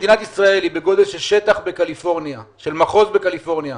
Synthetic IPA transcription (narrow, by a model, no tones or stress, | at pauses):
dinat̪isʁae̞libe̞ɡo̞d̪elʃelʃe̞t̪aχbe̞kalifo̞ʁnjaʃelmaχo̞zbe̞kalifo̞ʁnja